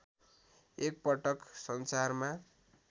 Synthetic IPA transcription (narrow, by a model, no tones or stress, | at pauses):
ek̚pʌʈʌksʌnsarma